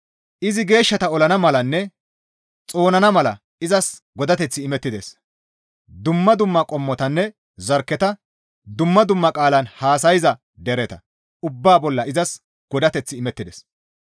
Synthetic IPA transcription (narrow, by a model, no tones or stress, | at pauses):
ʔɪzɪɡe̞ːʃːɐt̪ɐɔlɐnɐmɐlɐnːɛ | t͡sʼo̞ːnɐnɐmɐlɐ | ɪzɐsɡɔd̪ɐt̪ɛt͡sːɪːmɛt̪ːɪd̪es | d̪ʊmːɐd̪ʊmːɐkʼɔmːɔt̪ɐnːɛ | zɐɾkːɛt̪ɐ | d̪ʊmːɐd̪ʊmːɐkʼaːlɐnhaːsɐjɪzɐ | d̪ɛɾɛt̪ɐ | ʔʊbːaːbɔlːɐʔɪzɐs | ɡ̥ɔd̪ɐt̪ɛt͡sːɪːmɛt̪ːɪd̪es